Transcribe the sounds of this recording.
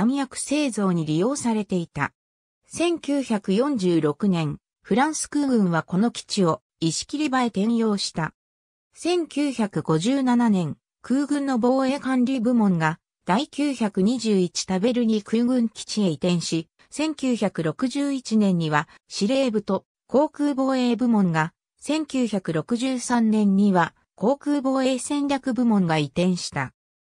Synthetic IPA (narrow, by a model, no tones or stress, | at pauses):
amijakɯ̟̥se̞ːzo̞ːɲ̟iɾʲijo̞ːsaɾe̞t̪e̞it̪a̰ | sẽ̞ŋkʲɨːçakɯ̟jõ̞ɲd͡ʑɨːɾo̞kɯ̟nẽ̞ŋ | ɸɯ̟ɾãɰ̃sɨ̥kɯ̟ːɡɯ̟̃ɰ̃βako̞no̞kʲi̥t͡ɕio̞ | iɕi̥kʲiɾʲibae̞t̪ẽ̞ɰ̃jo̞ːɕi̥t̪a | sẽ̞ŋkʲɨːçakɯ̟ɡ̥o̞ʑɨːnananẽ̞ŋ | kɯ̟ːɡɯ̟̃nːo̞bo̞ːe̞ːkãnɾʲibɯ̟mõ̞ŋɡa | d̪̥aikʲɨːçakɯ̟ɲ̟iʑɨːit͡ɕi̥t̪abe̞ɾɯ̟ɲ̟ikʰɯ̟ɡɯ̟̃ŋkʲi̥t͡ɕieit̪ẽ̞ɰ̃ɕi | sẽ̞ŋkʲɨːçakɯ̟ɾo̞kɯ̟ʑɨːit͡ɕinẽ̞ɲ̟ːiβa | ɕiɾe̞ːbɯ̟t̪o̞ | ko̞ːkɯ̟ːbo̞ːe̞ːbɯ̟mõ̞ŋɡa | sẽ̞ŋkʲɨːçakɯ̟ɾo̞kɯ̟ʑɨːsãnnẽ̞ɲɲːiβa | ko̞ːkɯ̟ːbo̞ːeːsẽ̞nɾʲakɯ̟bɯ̟mõ̞ŋɡait̪ẽ̞ɰ̃ɕi̥t̪a